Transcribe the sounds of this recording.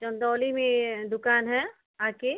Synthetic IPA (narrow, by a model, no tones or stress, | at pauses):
t͡ʃə̃nd̪ɔːlimẽd̪ʊkaːnɦɛ | aːke